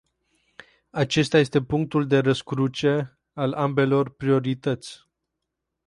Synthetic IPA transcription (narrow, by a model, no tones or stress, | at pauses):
at͡ʃe̞st̪aje̞st̪e̞puŋk̚t̪uld̪e̞ɾəskɾut͡ʃe̞ | alambe̞lo̞rpɾio̞ɾit̪ət̪sʲ